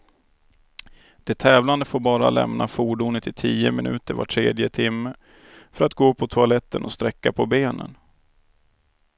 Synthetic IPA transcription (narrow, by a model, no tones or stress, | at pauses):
d̪̥ɛt̪ʰːɛːvland̪əfoːɾbɑːɾa̰lɛ̰mnʔafuːɖuːnət̪ʰɪt̪ʰiːəmɪnʔʉ̟̰ːt̪əɾva̰ʈʰɾeːd̪jət̪ʰɪmːə | fœɾat̪ɡoːpʰɔt̪ʰʊalɛt̪ːənɔst̪ɾɛkːapʰɔbeːnə̰n